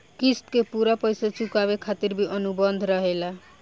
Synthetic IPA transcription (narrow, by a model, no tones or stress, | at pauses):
kisʈkepuɾapʌjsat͡ʃukaβekʰat̪iɾbʱiʔʌnubʌnd̪ʱɾʌɦela